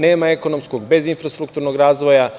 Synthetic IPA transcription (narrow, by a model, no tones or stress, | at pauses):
neːmae̞ko̞no̞mskoɡbe̞zinfɾast̪ɾukt̪uɾnoɡɾaːzʋo̞ja